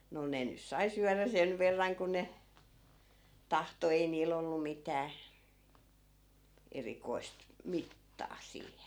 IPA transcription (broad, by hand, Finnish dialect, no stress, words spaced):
no ne nys̆ sɑi syæræ sen ʋerːɑŋ ku ne tɑhto ei niːl olːu mitæː erikoi̯st mitːɑː siːhen